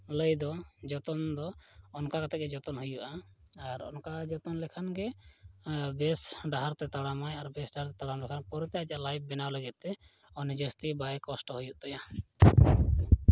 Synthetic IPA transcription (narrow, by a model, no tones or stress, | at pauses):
ləjd̪ɔd͡ʒɔt̪ɔnd̪ɔɔnkakat̪ʰɛʔ̚ɡɛd͡ʒɔt̪ɔnɦujuʔaː | ɾɔ̰nkad͡ʒɔt̪ɔnlɛkʰanɡɛ | bɛsɖaɦaɾt̪ɛt̪aɽamajaɾbɛsɖaɦaɾt̪ɛt̪aɽamlɛkʰanpɔɾt̪ɛjad͡ʒalajb̚ːɛnawləɡit̪ːɛ | ɔnd͡ʒəst̪ibajkɔsʈɔhujuʔt̪ɔja